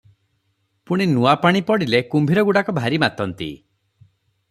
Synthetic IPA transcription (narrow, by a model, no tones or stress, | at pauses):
puɽ̃inuapaɽ̃ipɔɽilekumbʱiɾɔɡuɽakɔbʱaɾimat̪ɔnt̪ḭ